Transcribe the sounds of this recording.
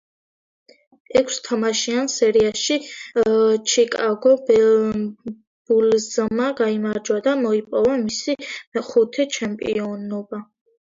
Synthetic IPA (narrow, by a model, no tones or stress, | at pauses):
ɛkʰst̪ʰamaʃiansɛɾiaʃi | t͡ʃʰikʼaɡɔbɛ | b̥ulzmaɡaimaɾd͡ʒwad̪amɔipʼɔvamisimɛχut̪ʰɛt͡ʃʰɛmpʼḭɔnɔba